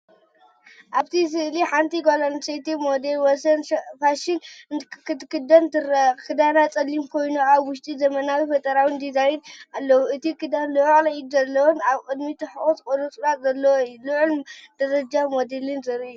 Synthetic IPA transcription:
ʔaβt̪ʰis̬ɨʔliħant̪ʰiɡolonset̪ʰimod̪elwɔsɐnfaʃɪnkt̪kɨd̪ɐnt̪ɨɾkʰɨd̪anat͡sʼɐlːimkʰo̞jnuaβwʊʃt̪ʼizɐmɐnawifɐt̪ʼɐɾawind̪izajinalːɐwuɨt̪ʰikʰɨd̪anluʔlɐjid̪zɐlːɐwonaβkʼɨd̪mit̪ʰɨħɨʔʼut̪kʼoɾut͡sʼuɾat̪zɐlːɐwoɨjːuluʕʊld̪̥ɐɾɐd͡ʒamo̞d̪elɨnzɨɾɨu

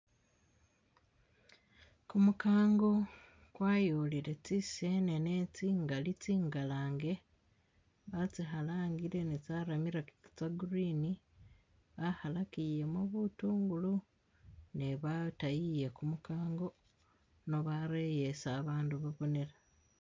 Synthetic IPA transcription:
kumukaːŋɡo̞ | kwaːjoːliɾe̞t͡sise̞nenet͡siːŋɡalit͡siːŋɡalaːŋɡe̞ | βat͡siɦalaːŋɡiɾe̞net͡saːɾamiɾakiki̥t͡saɡuɾini | βahalakije̞moβutuːŋɡulu | neβatajije̞kumukaːŋɡo̞ | no̞βaɾejesaːβaːnduβaβo̞ne̞ɾa

